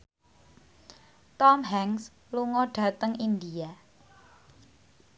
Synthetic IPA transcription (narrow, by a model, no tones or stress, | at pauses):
t̪ɔmɦɛŋs | luŋɔɖ̥a̤t̪əŋind̪ia